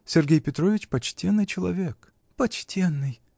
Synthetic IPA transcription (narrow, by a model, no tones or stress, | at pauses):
sʲɪrɡʲejpʲɪt̪ɾo̞vʲɪt͡ɕpɐt͡ɕtʲenːɨjt͡ɕɪlˠɐ̰vʲek | pɐt͡ɕtʲenːɨj